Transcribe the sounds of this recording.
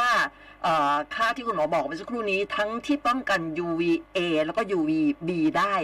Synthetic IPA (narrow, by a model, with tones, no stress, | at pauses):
waː˥˩ | ʔɤː˨˩kʰaː˥˩t̪ʰiː˥˩ku˧nmɔː˨˧˩bɔː˨˩ma˧sa˦˥kʰɾuː˥˩niː˦˥t̪ʰa˦˥ŋt̪ʰiː˥˩p̪ɔ˥˩ŋka˧njuː˧wiː˧ʔeː˧lɛ˧˦˥wkɔː˥˩juː˧wiː˧biː˧daː˥˩j